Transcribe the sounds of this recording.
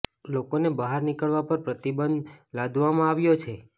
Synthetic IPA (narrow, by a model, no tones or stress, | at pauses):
lokonebəɦaɾnikəɭʋapəɾpɾət̪ibənd̪lad̪ʱʋamãaʋjot͡ʃʰe